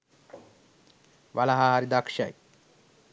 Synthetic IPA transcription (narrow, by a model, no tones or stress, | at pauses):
ʋalaɦaɦaɾid̪akʂa̰j